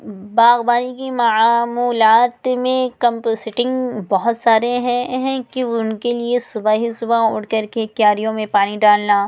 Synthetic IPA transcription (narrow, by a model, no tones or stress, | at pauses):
baːɣbaːnikimɐaːmuːlaːt̪mẽkɐ̃mposɪʈɪ̃ŋɡbɔɦʊt̪saːɾeɦɛ̃ɦɛ̃kiʊnkeliesʊbaɦisʊbaʊ̰ːɽkɐɾkekjaːɾijõmẽpaːniɖaːlnaː